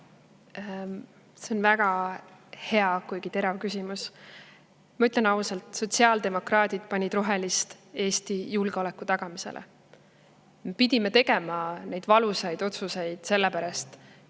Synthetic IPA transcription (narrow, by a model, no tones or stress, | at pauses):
se̞o̞nvæɡ̥ɑ | he̞ɑkujɡ̥it̪e̞ɾɑvkysimus | mɑyt̪le̞nɑwselt̪so̞t̪siɑːld̪e̞mo̞krɑːd̪̥ʲid̪̥̚pɑnʲid̪̥ro̞ɦe̞list̪ | e̞ːst̪ijulɡ̥eo̞le̞kːˑut̪ɑɡ̥ɑmise̞̰lʔḛ | mepid̪̥ʲimet̪e̞ɡe̞mɑnejd̪vɑlusɑjd̪o̞t̪suse̞jd̪̥se̞lːepæɾɑst̪